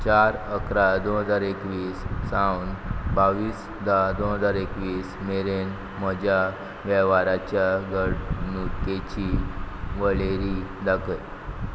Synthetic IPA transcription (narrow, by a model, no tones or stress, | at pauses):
t͡ɕaɾəkɾad̪onɦəd͡zaɾekʋiːsːawnbaʋiːs | d̪ad̪onɦəd͡zaɾekʋiːsmeɾen | məd͡ʑʱja | ʋɛʋaɾat͡ɕjaɡəɽnut̪ket͡ɕiʋəɭeɾid̪aɡʰəj